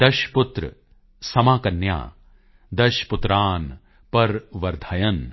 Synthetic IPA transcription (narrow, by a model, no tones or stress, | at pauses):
d̪̥ɐʃput̪ɾ | sɐmaːkɐnja̰ː | d̪ɐʃput̪ɾaːn | pɐɾʋɐɾd̪ʱɐjɐn